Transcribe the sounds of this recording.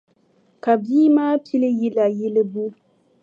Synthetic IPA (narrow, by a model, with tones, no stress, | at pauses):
ka˨biː˦maː˦pi˦le˦ji˦la˨ji˦lɪ˦bu˦